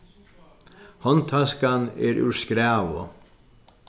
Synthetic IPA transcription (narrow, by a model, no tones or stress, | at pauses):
hɔnt̪ʰɑskɑnḛːɾʔʉ̰ːɹskɾæːʋʊ̰